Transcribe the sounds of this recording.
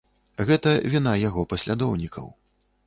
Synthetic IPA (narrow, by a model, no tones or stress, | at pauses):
ɣɛt̪ɐvʲinajaɣɔpɐsʲlʲad̪ɔwnʲikɐ̰w